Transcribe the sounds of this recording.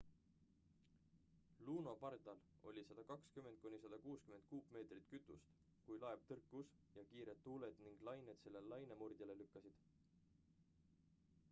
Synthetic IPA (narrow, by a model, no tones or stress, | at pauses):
luːno̞pɑrd̪ɑlo̞̰lʲisɑd̪̥ɑkɑkskyme̞nd̪̚kunʲisɑd̪̥ɑkuːskyme̞nt̪̚kuːpme̞ːt̪rit̪kyt̪ːˑṵst̪ | kujlɑe̞v̥t̪ɤrkːˑus | jɑkiːɾet̪ːuːle̞d̪̥niŋɡ̥lɑjned̪̥se̞lːe̞llɑjnemurd̪̥ʲjɑle̞lykːɑsid̪̥